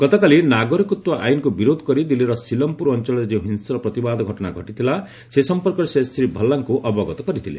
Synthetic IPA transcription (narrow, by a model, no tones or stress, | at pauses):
ɡ̥ɔt̪ɔkalinaɡɔɾikut̪waʔa̰jnkubiɾod̪ʱɔ̥kɔɾid̪ileɾɔsilɔmpuɾɔnt͡ʃɔɭɔd͡ʒeũɦinsɔɾɔpɾɔt̪ibad̪ʱɔɡʱɔʈɔna̰ɡʱɔʈit̪ʰila | sesɔmpɔɾkɔɾsesɾibʱʌlːaŋkuʔɔbɔɡɔt̪ɔ̥kɔɾit̪ʰilḛ